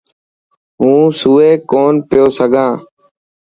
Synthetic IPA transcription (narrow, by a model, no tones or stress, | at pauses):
ɦũːsuːeːkoːnpɪjoːsəɡʱãː